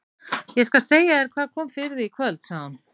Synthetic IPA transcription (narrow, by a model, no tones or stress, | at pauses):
jɛskalseːjaɛɾkʰvaːðkʰɔːmfɪɾðɪikʰvœlt̪saan